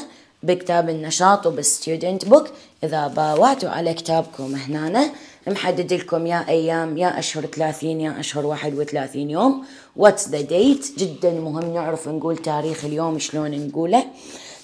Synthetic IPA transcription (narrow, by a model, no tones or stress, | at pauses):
bɪkt̪aːbɪnːɑʃɑːt̪ˤwbɪst̪juːd̪ɪnt̪bʊkʔɪðabaːwaʕt̪wʕa̰lakt̪aːbkʊmɪhnaːnamħad̪ːɪd̪ɪlkʊmjaːʔajːaːmjaːʔaʃhʊɾˤθalaːθiːnjaːʔaʃhʊɾwaːħɪd̪wɪθalaːθiːnjoːm | wakt̪d̪ad̪eːt̪d͡ʒɪd̪ːanmʊɦɪmːnɪʕɾɪfnɡuːlt̪aːɾiːxɪljoːmʃloːnnɡuːla